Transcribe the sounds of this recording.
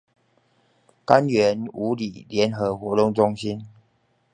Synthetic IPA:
ka˦nɥɛ˨˧˦nu˨˥li˨˩ljɛ˨˦nxɤ˨˧˦xwɔ˧˥˦t̪ʊ˥˧ŋt͡sʊ˥ŋɕi˦n

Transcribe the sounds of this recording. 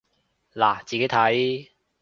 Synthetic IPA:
laː˨˩t͡siː˨ke˨˥jt̪ʰɐ˨˥j

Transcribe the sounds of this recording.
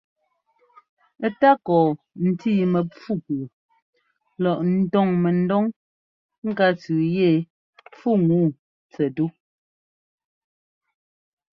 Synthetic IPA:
ta˦kɔː˨ | n̩˨tiː˦˨mɛ˨p͡fu˦˨kː | lɔ˨ʔn̩˦tɔ˦˨ŋmɛ˨n̩˦dɔ˦ŋ | ŋ̩˦ka˦t͡sʉː˨je˦˨ | p͡fu˦˨ŋuː˦˨ | t͡sɛ˨du˦

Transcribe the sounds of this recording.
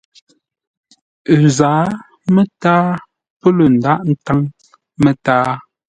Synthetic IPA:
zaː˨˦ | mə˦taː˦ | pə˦lə˨n̩˨da˦ʔn̩˦ta˦ŋ | me˨taː˦

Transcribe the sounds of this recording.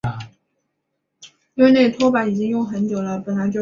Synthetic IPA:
i˥we˥˧ɪne˥˩ɪt̪ʰwɔ˥pa˧˥ni˨˩t͡ɕi˥ŋjʊ˥˩ŋxə˧˥nt͡ɕjo˨˩ʊlə˦pə˨˩nla˧˥ɪt͡ɕjo˥˧˩

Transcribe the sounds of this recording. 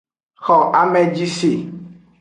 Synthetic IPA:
xɔ˨ʔa˦mɛ˦d͡ʒi˦si˨

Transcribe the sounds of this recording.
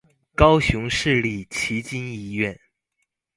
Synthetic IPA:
kɑ˥ʊɕjʊ˧˥ŋʂɻ̩˥˧li˥˩t͡ɕʰi˧˥t͡ɕi˥ni˧˥˧ɥɛ˥˩n

